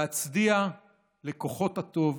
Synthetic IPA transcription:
at͡sdia | le̞koχo̞that̪o̞v

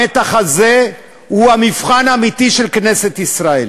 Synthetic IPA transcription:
et̪aχaze̞ | huamifχanamit̪iʃe̞lkne̞set̪isʁaḛl

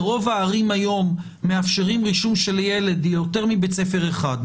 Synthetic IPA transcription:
ʁo̞vaːʁimajo̞mː | eafʃeʁimʁiʃumʃe̞lje̞le̞d̪jote̞ʁmibet͡sefe̞ʁeχad

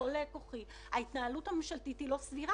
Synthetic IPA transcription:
olekoχi | aitnaːluthamemʃaltitilo̞sviʁa

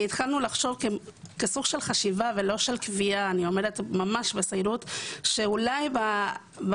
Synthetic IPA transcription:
it̪χalnulaχʃo̞vkekesuɡʃe̞lχaʃivavelo̞ʃe̞lkviaːnio̞me̞ʁetmamaʃbesajʁutʃe̞ulajba | b

